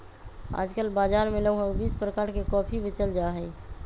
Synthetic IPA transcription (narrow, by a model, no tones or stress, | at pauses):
a̰ːd͡ʒkəlbad͡ʒaɾmeləɡɦə̃ɡbiːspɾəkaːɾkekɔːpʰibet͡ʃəld͡ʒaɦɛi